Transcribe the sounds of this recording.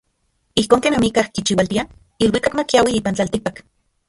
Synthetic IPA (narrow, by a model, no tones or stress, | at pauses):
ihkoːŋkeːnamikahkit͡ʃiwalt̪ia | ilwikakmakiawiiːpant͡ɬaːlt̪ik̚pak